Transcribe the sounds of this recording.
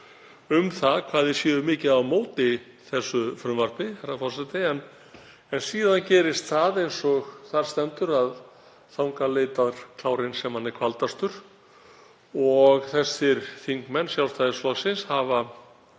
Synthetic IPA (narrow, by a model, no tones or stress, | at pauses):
ʏmθaðkʰvaːðɪ̥sjɛːðʏmɪːcɪðaðmoːwt̪ɪ | θɛsːʏfɾʏmvaɾ̥pɪhɛrːafɔrsat̪ɪɛn | ɛnsiːðancɛːɾɪst̪θaðejnsɔɣθaɾ̥st̪ɛnt̪ʏɾað | θawŋkaleːjt̪aðɾ̥kʰlaːwɾɪnsɛmhanːɛɾ̥kʰvalt̪ast̪ʏɾ̥ | ɔɣθɛsːɪɾ̥θiŋkmɛnːsjawst̪aðɪslaɣsɪnshava